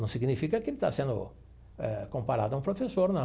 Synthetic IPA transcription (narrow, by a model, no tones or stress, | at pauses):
ɐ̃w̃siɡnifikɐkɪelɪt̪a̰sẽnd̪ʊ̰ | ɛ̰kõmpaɾad̪ʊãũpɾofesoɾnɐ